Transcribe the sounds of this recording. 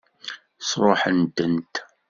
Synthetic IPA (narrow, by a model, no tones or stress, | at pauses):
sɾˤoħənt̪ənt̪